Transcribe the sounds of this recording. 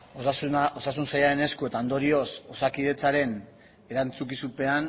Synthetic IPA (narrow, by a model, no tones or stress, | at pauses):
ossuo̞sasunsajaɾe̞ne̞skue̞t̪and̪o̞ɾio̞so̞sakiðe̞t͡saɾe̞n | e̞ɾant͡sukisupe̞an